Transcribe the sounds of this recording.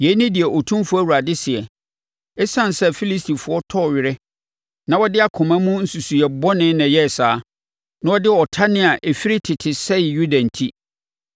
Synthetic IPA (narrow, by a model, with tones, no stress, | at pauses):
jɛ˨˦nɪ̃˦dɪ˨ɛ˨ʔo˨tʰũ˦fʊ˦æ˦˨wu˨ɾa˨dɪ˦sɪ˨ɛ˨ | ɛ˦sã˦n˨sɛ˦fi˦li˦sti˨fʊ˨˦ɔ˦tʰɔ˦ɔ˨ɥɪ˨ɾɪ˦ | nã˦wɔ˦dɪ˦a˨kʰʊ̃˨mã˦mũ˦n̩˦su˨su˨ɛ˨bɔ˦nɪ̃˦nã˨jɛ˦˨saː˨˦ | nã˦ɔ˦dɪ˦ɔ˨tʰa˦nɪ̃˦a˨ʔe˨fi˦ɾɪ˦tʰɪ˨tʰɪ˨sɛ˦ɪ˨ju˦dã˨n̩˨tʰi˦